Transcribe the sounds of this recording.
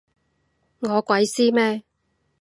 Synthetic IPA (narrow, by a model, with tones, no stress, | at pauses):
ŋɔː˨˧kʷɐ˨˥jsiː˥mɛː˥